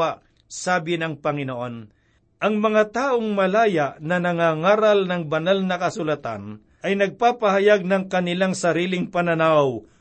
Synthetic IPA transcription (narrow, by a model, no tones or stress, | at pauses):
aʔ | saːbɪnɐŋpɐŋɪnoʔo̞n | ʔɐŋmɐŋat̪aːʔoŋmɐlaːjaʔnɐnɐŋaŋaːɾɐlnɐŋbɐnalnɐkɐsʊlɐt̪a̰n | ʔɐjnɐɡ̚paːpɐhɐjaɡ̚nɐŋkɐnɪlaŋsɐɾiːlɪŋpɐnɐnaw